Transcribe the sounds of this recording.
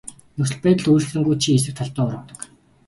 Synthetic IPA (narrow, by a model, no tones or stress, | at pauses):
nɵsɵ̆ɮpæːt̪ə̆ɮujrɘ̆xsɘ̆ŋɡujt͡ɕʰies̬ɘ̆k̚t̪ʰɔɮt̪əːŋʊɾʊ̆ːt̪ə̥̆k